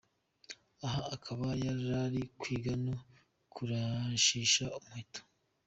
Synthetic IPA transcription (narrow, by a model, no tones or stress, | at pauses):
aɦaːkʰaβajaɾaɾikwiːɡano | kʰuɾaʃiːʃaumuhito̥